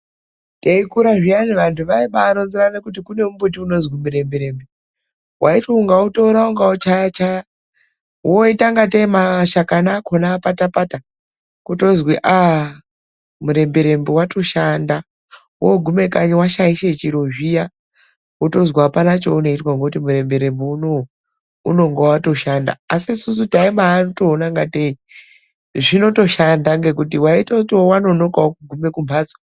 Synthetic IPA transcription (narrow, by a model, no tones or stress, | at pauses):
teikuɾaʐijaneʋantʰuʋaiɓaːɾonziɾanekutikune̞mumbut̬iuno̞zwimuɾe̞mbeɾe̞mbe | wʔaitwouŋɡautouɾauŋɡaut͡ʃajat͡ʃaja | woitaŋɡateimaʃakanakʰonaːpatapata | kuto̞zwiʔa | muɾe̞mbeɾe̞mbewatʰo̞ʃanda | woɡʱume̞kaɲiwaʃaiʃe̞t͡ʃiɾoʒija | woto̞zwaapanat͡ʃo̞̰uno̞itwaŋɡokutimuɾe̞mbe̞ɾe̞mbeuno | uno̞ŋɡewato̞ʃanda̰ːsiːsusutaimaːnotoːnaŋɡatei | ʐino̞to̞ʃandaŋɡe̞kutiwaitoutiwowano̞no̞kaokuɡʱume̞kumbʱad͡zo